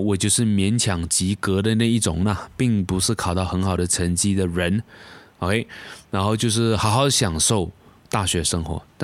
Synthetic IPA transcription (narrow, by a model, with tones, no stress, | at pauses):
wɔ˨˩t͡ɕjo˥˧ʊʂɻ̩˥˩mjɛ˧˥nt͡ɕʰjɑ˨˩ŋt͡ɕi˧˥kə˧˥d̪ə˨na˥˧i˥˩ʈ͡ʂʊ̰˨˩ŋnɐ˨˩pi˥˩ŋpu˧˦ʂɻ̩˥˩kʰɑ˨˩ʊt̪ɑ˥˩ʊxə˧˥nxɑ˨˩ʊd̪ə˦t͡sʰə˧˥nt͡ɕi˥d̪ə˨ɻə˧˦n˧˩ | e˥˩ɻa˧˥nxo˥˧ʊt͡ɕjo˥˧ʊʂɻ̩˥˩xɑ˧˥ʊxɑ˧˥ʊɕjɑ˨˩ŋʂo˥˩ʊt̪a˥˩ɕɥɛ˧˥ʂə˥ŋxwɔ̰˧˥t̪